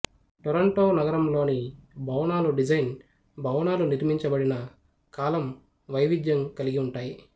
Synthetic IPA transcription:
ʈɔɾɐɳʈoːnɐɡɐɾɐmlo̞ːnibʱɐwɳaːluɖid͡ʒɐjn | bʱɐwnaːluniɾmiɲt͡ʃɐbɐɽinɐ | kaːlɐm | ʋɐjʋid̪jɐŋkɐliɡiuɳʈaːji

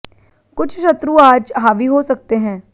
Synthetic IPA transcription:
kʊt͡ʃʰʃɐt̪ɾũaːd͡ʒɦaːʋiɦosɐk̚t̪eɦɛ̃ː

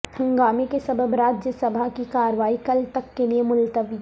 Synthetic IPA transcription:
hɐ̃ŋɡaːmekesɐbəbɾaːd͡ʒjəsɐbʱakikaːɾʋaːikɐlt̪ɐkːeliemʊlt̪əʋi

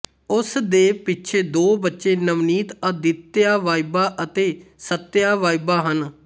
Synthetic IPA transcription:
ʊsd̪eːpɪtːt͡ʃʰeːd̪oːbətːʃeːnəʋniːt̪əd̪ɪt̪ːɪjaːʋaːibaːʔət̪eːsət̪ːjaːʋaːibaːɦən

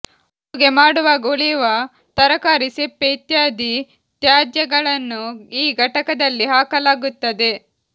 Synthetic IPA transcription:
uɡe̞maːɽuʋaːɡoɭijuʋɐ | t̪ɐɾɐkaːɾisepːeit̪jaːd̪i | t̪jaːd̪jɐɡɐɭɐnːuiːɡʱɐʈɐkɐd̪ɐlːiɦaːkɐlaːɡut̪ːɐd̪e̞

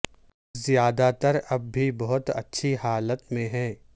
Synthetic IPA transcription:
zjaːd̪at̪əɾɐbːʱibɐɦʊt̪ɐ̰tːʃʰihaːlət̪mẽɦɛ̃ː

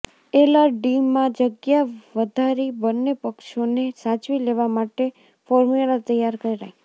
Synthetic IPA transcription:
elaɖimːãd͡ʒəɡjaʋəd̪ʱaɾibənːepəkʃonesat͡ʃʋileʋamaʈe | fɔɾmelat̪əjaɾkəɾiɾa̰j

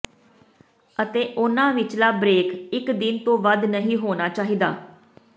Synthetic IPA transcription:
ət̪eːʔʊnãːʋɪt͡ʃlaːbɾeːkɪkd̪ɪnt̪õːʋəd̪nəɦĩːɦoːnaːt͡ʃaːɦiːd̪aː

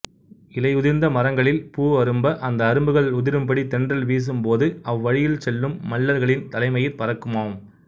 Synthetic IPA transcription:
ɪlɐɪʊðɪɾnd̪ɐmɐrɐŋɡɐɭɪlpuːɐɾɯmbɐʔɐnd̪ɐːɾɯmbɯɣɐɭʊðɪɾɯmpɐɽit̪ɛndrɐlʋiːs̬ɯmpoːðɯɐʋːɐɻɪjɪlsɛlːɯmːɐɭːɐɾɣɐɭɪnt̪ɐlɐɪmɐjɪɾpɐɾɐkːɯmaːʋɯm

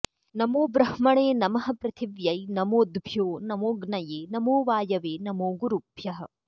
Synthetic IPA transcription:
nɐmoːbɾɐhmɐɳeːnɐmɐɦɐ̆pɾɐt̪ʰiʋjɐjnɐmoːd̪bʱjoːnɐmoːɡnɐjeːnɐmoːʋaːjɐʋeːnɐmoːɡuɾubʱjɐɦɐ̆

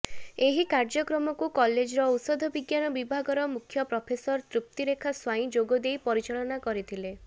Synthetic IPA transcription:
eɦikaɾd͡ʒɔkɾɔmɔkukɔled͡ʒɾɔut̪sɔd̪ʱɔbiɡjanɔbibʱaɡɔɾɔmukʰjɔpɾɔpʰesɔɾt̪ɾup̚t̪iɾekʰaswajĩd͡ʒoɡɔd̪ejpɔɾit͡ʃɔlɔnakɔɾit̪ʰile

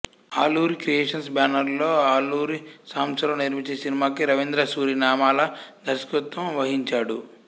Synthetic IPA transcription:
aːluːɾikɾijeːʂɐnsbaːnɐɾlo̞ːaːluːɾisaːmsɐlɐniɾmit͡ʃesinimaːkiɾɐʋind̪ɾɐsuːɾinaːmaːlɐd̪ʱɐɾskut̪ʋɐ̃mʋɐɦiɲt͡ʃaːɽu

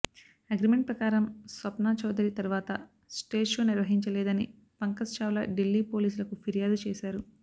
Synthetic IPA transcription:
ɐɡɾimeɳʈ̚pɾɐkaːɾɐmsʋɐpnaːt͡ʃɐwd̪ɐɾit̪ɐɾuʋaːt̪ɐ | sʈe̞ːʃoːniɾʋɐɦiɲt͡ʃɐlɛːd̪ɐni | pɐŋkɐsʃaːʋlɐɖilːiːpo̞ːliːs̬ulɐkupʰiɾijaːd̪ut͡ʃɛːʃaːɾu

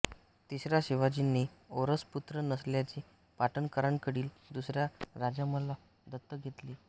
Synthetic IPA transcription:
t̪isɾjaɕiʋad͡ʑinːioɾəsput̪ɾənəsljat͡ɕi | paʈənkəɾaɳkəɽiːl | d̪usɾjaɾad͡ʑaməla | d̪ʱət̪ːəɡʱet̪liː

